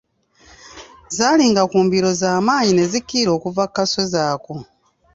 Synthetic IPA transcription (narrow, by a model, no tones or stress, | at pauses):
zaːliːŋɡakuːmbiɾo̞zaːmaːɲine̞zikːiːɾo̞ːkuvakːaso̞zaːko